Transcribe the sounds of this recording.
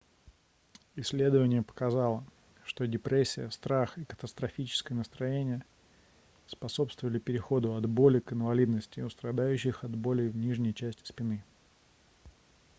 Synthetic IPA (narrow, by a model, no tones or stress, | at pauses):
ɪsʲːlʲe̞d̪əvənʲɪjəpə̥kɐzɑlˠə | ʂt̪o̞dʲɪpɾesʲːɪjəst̪ɾaxɪkə̥t̪əst̪ɾɐfʲit͡ɕɪ̥skəjənəst̪ɾɐjenʲɪjə | spɐso̞pst̪vəvəlʲɪpʲɪɾʲɪxo̞d̪ʊɐd̪bo̞lʲɪkɨnvɐlʲid̪nəsʲtʲɪʊst̪ɾɐd̪ajʉɕːɪxɐd̪bo̞lʲɪvnʲiʐnʲɪjt͡ɕæsʲtʲɪ̥spʲɪnɨ